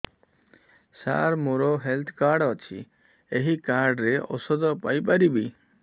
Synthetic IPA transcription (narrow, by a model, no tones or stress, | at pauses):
sa̰ɾmoɾɔɦelt̪ʰkaɾɖɔt͡ʃʰḭ | eɦikaɾɖɾeɔ̰sɔd̪ɔpajpaɾibi